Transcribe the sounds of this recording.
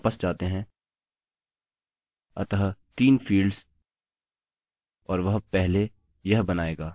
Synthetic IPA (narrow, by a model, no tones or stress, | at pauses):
pəsd͡ʒaːt̪eɦɛ̃ | ɐ̰t̪aɦt̪iːnfiːlɖz̥ | ɔːɾʋɐɦpɛɦle | jɐɦbɐnaːeːɡaː